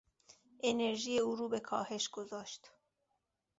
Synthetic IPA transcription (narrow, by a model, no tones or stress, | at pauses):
ʔeneɾʒiːjeuːɾuːbe̞kʰɒːhe̞ʃɡ̥ozɒːʃt̪